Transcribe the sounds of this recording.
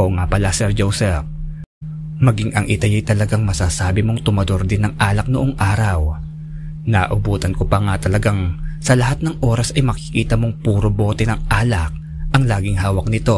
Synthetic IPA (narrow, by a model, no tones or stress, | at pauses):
oŋapɐlasɛɾd͡ʒowsɛf̚ | mɐɡiŋʔɐŋʔɪt̪ɐjɛjt̪ɐlɐɡaŋmɐsasaːbɪmo̞ŋt̪ʊmɐd̪oɾd̪ɪnɐŋʔaːlɐk̚nʊʔoŋʔaːɾɐw | nɐʔʊbuːt̪ɐnkopɐŋat̪ɐlɐɡaŋsɐlɐhat̪̚nɐŋʔo̞ːɾɐsɐjmɐkɪkiːt̪ɐmo̞ŋpuːɾobo̞ːt̪ɛnɐŋʔaːlɐk̚ | ʔɐŋlaːɡɪŋɦaːwɐk̚nɪt̪o̞